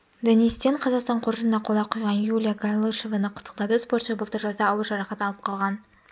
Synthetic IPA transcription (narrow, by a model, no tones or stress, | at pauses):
d̪onist̪eɴqʰɑzɑqst̪ɑɴqʰʊɾʒənd̪ɑqʰolˠɑqʰujʁɑnjulʲijaɡalˠeʃevɑnəqʰʊ̥t̪ːə̥q̚t̪ɑd̪əspoɾt̪ʃəbəlˠt̪əɾʒɑzd̪ɑːwəɾˠʒɑɾɑχɑt̪ɑlˠəp̚qʰɑlˠʁɑn